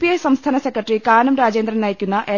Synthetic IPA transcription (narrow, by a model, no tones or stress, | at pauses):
pijɐjsɐmst̪ʰaːnɐsekːɐʈːrikaːnɐmɾaːd͡ʑeːnd̪rɐmnɐjikʲːunːɐʔe